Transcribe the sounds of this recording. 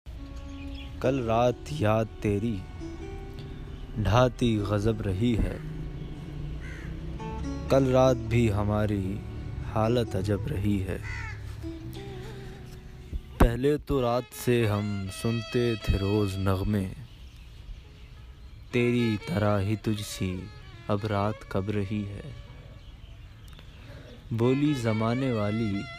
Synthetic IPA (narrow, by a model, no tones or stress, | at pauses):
kɐlɾaːt̪jaːd̪̚t̪ːeːɾi | ɖʱaːt̪iɣɐzəbɾɐɦiɦɛ̰ː | kɐlɾaːt̪̚bʱiɦɐmaːɾihaːlət̪ɐd͡ʒəbɾɐɦiɦɛ̰ː | pɛɦlet̪oɾaːt̪seɦɐmsʊnt̪et̪ʰeɾoːznɐɣmẽ | t̪eːɾit̪ɐɾaɦit̪ʊd͡ʒʱsiɐbɾaːt̪kɐbɾɐɦiɦɛ̰ː | boːlizɐmaːneʋaːli